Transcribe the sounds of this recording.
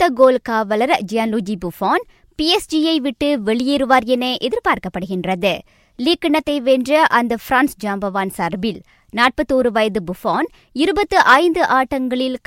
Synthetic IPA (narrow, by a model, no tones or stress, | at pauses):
t̪ːɐɡoːlkaːʋɐlɐɾd͡ʒɪjaːnlud͡ʒibʊfaːn | piɛsd͡ʒiɐɪʋɪʈːɯʋɛɭɪjiɾɯʋaːɾjɐneːʔɛðɪɾpaːɾkɐpːɐɽɯɣɪndrɐðɯ | liːkːɪɳɐt̪ːɐɪʋendrɐʔɐnd̪ɐfɪɾaːnsd͡ʒaːmbɐʋaːnsɐɾbɪl | naːʈ̚pɐt̪ːoːɾɯʋɐjɐðɯbʊfaːn | ɪɾɯbɐt̪ːɯʔɐɪnd̪ɯʔaːʈːɐŋɡɐɭɪlk